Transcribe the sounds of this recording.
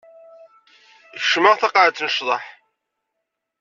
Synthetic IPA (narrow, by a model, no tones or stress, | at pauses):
ʃməʁθɑqaʕt͡sːnəʃðˤɑħ